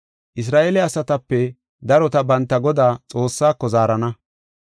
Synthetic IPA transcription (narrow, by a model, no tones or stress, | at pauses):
ʔɪs̬ɾaːʔeːlɛɐsɐt̪ɐpːɛ | d̪ɐɾɔt̪ɐbɐnt̪ːɐɡɔd̪aːt͡sʼo̞ːsːaːkːɔzaːɾɐnɐ